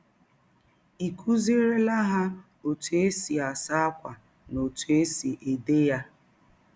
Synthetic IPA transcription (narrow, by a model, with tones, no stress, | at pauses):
i˨kʰu˦zi˦ɾe˦la˦ɦa˦ | o˨tu˨e˦si˨a˨sa˦a˦kʷa̰˨ | no˨tu˨e˦si˨ʔe˨de˦ja˦